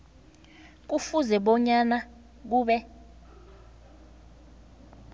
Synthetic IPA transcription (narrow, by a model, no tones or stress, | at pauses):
k̬ufuzɛɓɔɲana | k̬uːɓɛ